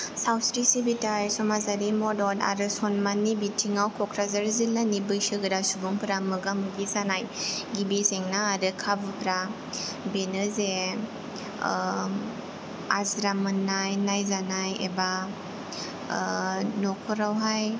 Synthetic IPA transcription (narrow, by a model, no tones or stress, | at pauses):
sawsɾisibitajsɔmazaɾimɔdɔda̰ɾɯsɔnmanːibitʰiŋawkʰɔkʰɾazaɾzilːanibɯjsɯɡɯɾasubuŋpɯɾamɯɡamɯɡizanajɡibizeŋnaːɾɯkʰabɯpɾa | benɯze | azɾamɯnːajnajzanajḛba | nɔkʰɔɾawɦaj